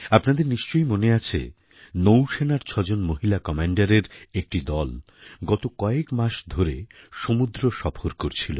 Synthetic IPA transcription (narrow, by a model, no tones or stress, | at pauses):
apnad̪eɾniʃt͡ɕojmoneat͡ɕʰḛ | nowʃenaɾt͡ɕʰɔd͡ʑonmoɦilakɔmaɳɖaɾeɾek̚ʈid̪ɔl | ɡɔt̪okɔekmaʃd̪ʱoɾeʃomud̪ɾoʃɔfʰoɾkoɾt͡ɕʰilo̰